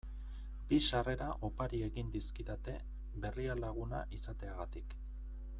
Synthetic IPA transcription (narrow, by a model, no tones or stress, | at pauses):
bisare̞ɾaʔo̞paɾie̞ɣind̪iskiðat̪e̞ | βe̞rialaɣuna̰ʔisat̪e̞aɣat̪ik